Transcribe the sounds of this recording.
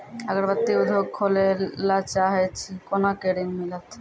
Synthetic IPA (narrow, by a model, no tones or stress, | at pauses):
aɡaɾbat̪ːiod̪ʱokʰːolelat͡ɕaɦeet͡ɕʰikonakeɾinmilat̪